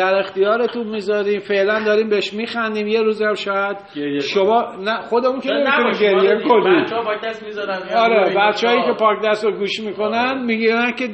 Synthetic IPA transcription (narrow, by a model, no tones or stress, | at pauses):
æɾe̞xt̪ijɒːɾe̞t̪unmiːzɒːɾiːmfe̞ʔlænd̪ɒːɾiːmbeeʃmiːxænd̪iːmje̞ɾuːzæmʃɒːjæd̪̥ʃomɒːnæxo̞d̪e̞munkʰenemit̪uniːmɟeɾjemikʰonipːk̪æsmizɾɒːɾebæt̪t͡ʃehɒːjiːke̞pʰɒːkd̪æst̪oɡuːʃmiːko̞nænmiːɡiːɾænce